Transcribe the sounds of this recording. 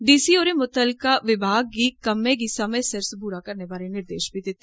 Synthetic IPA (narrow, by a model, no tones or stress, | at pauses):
ɖiːsiːoːɾemʊt̪əlkaːʋɪbʱaːɡ̚ːiːkəmẽːɡiːsəməjsəɾsbuːɾakəɾnebaːɾenɪɾd̪eːʃbʱid̪ɪt̪ːe